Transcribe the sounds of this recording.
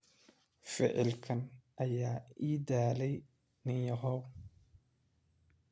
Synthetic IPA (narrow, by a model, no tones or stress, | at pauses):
fɪ̰ʕɪ̰lkʰɐnʔɐjaːiːd̪aːlɛj | nɪnjɔɦɔw